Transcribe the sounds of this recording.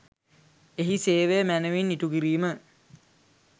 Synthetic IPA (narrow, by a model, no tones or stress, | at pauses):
eɦiseːʋejmænəʋinːiʈuɡiɾiːmə